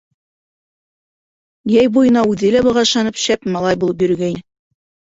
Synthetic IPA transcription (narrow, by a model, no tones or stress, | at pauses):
jæjbujɤ̆nɑʉðɘlæbɤ̆ʁɑ̆ʃɑnɤpɕæpmɑlˠɑjbulˠɤp̬jɵ̆ɾɡæj